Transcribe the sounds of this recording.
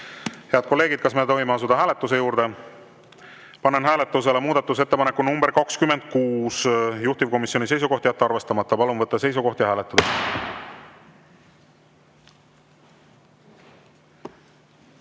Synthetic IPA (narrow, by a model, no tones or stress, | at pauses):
he̞ɑd̪̥̚ko̞lːe̞ːɡ̥id̪̚kɑsme̞t̪o̞ɦimeɑs̬ud̪̥ɑɦæːle̞t̪ːˑus̬e̞juːɾd̪̥e̞ | pɑnːenɦæːle̞t̪ːˑus̬elemuːd̪̥ɑt̪ːˑus̬e̞t̪ːepɑnekːˑunumbeɾkɑkskyme̞nd̪̥̚kuːsjuht̪ivko̞misjo̞nʲise̞jsuko̞ht̪jæt̪ːeɑrve̞st̪ɑmɑt̪ːɑpɑlunvɤt̪ːɑse̞js̬uɡo̞ht̪jɑɦæːlet̪ːɑd̪ɑ